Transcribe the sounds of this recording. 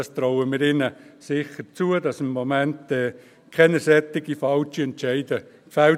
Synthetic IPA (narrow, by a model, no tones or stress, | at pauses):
ɑst̪ɾɔʊəmɪɾɪnəsɪχəɾt͡suədɑsɪmːomɛntɛː | kʰɛnəsɛt̪ɪɡifɑlt͡ʃiɛntt͡ʃɛɪdə | kfæl